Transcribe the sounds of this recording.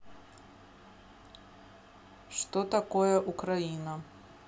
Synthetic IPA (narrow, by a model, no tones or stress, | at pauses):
ʂt̪ɔt̪akɔjɛʔʊkɾajinɐ